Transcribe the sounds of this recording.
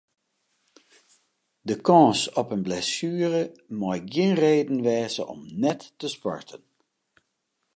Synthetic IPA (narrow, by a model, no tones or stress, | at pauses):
dəkɔ̃ːsɔpənblɛsyːərəmɔjɡjɪnreːdən̩ʋɛːzə̰ʔɔ̰mnɛtːəspɔ̰ɹtʰən